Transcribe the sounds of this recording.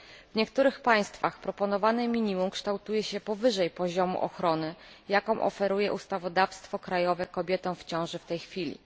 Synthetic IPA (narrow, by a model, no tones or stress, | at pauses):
vɲɛkt̪uɾɘxpaj̃st̪faxpɾɔpɔnɔvanɘmʲiɲimumkʂt̪awt̪ujɛɕɛpɔvɘʐɛjpɔʑɔmṵʔɔxɾɔnɘ | jakɔ̃w̃ʔɔ̰fɛɾujɛʔust̪avɔd̪afst̪fɔkɾajɔvɛkɔbʲjɛt̪ɔ̃w̃ft͡ɕɔ̃w̃ʐɘft̪ɛjxfʲilʲḭ